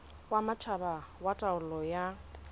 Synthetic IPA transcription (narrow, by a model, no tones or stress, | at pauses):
wamat͡ʃʰabawatʼaʊlɔja